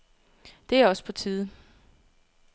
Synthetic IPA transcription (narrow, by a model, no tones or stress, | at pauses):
d̥e̝æɐɒ̽spʰɒ̽t͡sʰiːð̞ˠ